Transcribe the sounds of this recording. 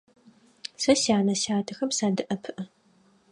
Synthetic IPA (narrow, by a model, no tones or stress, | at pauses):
sɐɕaːnɐɕaːtʰɨxɐmsaːdɨʔɐpʰɨʔɐ